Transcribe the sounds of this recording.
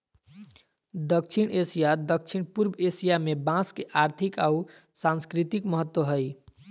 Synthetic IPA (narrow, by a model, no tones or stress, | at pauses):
d̪əkt͡ʃʰiɽesijad̪ək̚t͡ʃʰiɽ̃puɾbesijamebãskeʔaɾt̪ʰikau | sãnskɾit̪ikməɦət̪ːwəɦəj